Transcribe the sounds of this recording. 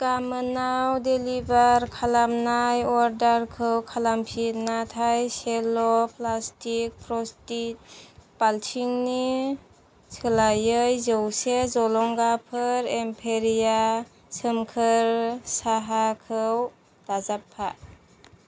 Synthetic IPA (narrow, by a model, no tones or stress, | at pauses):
kamənawdelibaɾkʰalamnajɔɾdaɾkʰɯwkʰalampʰitnatʰajselɔpʰlastik̚pʰɾɔstit̚paltʰiŋni | sɯlajɯjzəwsezɔlɔŋɡapʰɯɾempʰeɾija | səmkʰəɾsaɦakʰɯw | d̥azapʰːa̰